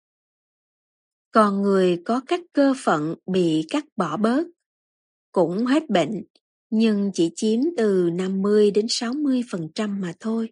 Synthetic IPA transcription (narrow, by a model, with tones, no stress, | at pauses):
kɔ˨˩nŋɨ˨˩əjkɔ˨˦kaː˦˥kːəː˧fə̰˧˨nɓḭ˧˨kaː˦˥k̚ɓɔ˧˩ɓəː˦˥t̚ | kʊ̰˧˥ŋ͡mɦe˦˥t̚ɓḛ˧˨ŋ̟ | ɲɨ˧ŋt͡ɕḭ˧˩t͡ɕi˨˦əmt̪ɨ˨˩na˧mːɨ˧əjɗe˨˦nsa˨˦wmɨ˧əjfə˨˩nt͡ɕa˧mːaː˨˩t̪ʰo˧j